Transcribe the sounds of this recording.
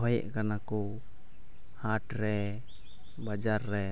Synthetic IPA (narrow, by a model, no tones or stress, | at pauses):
ɦɔjɛ̰ʔkanakɔ | haʈɾɛ | bad͡ʒaɾːɛ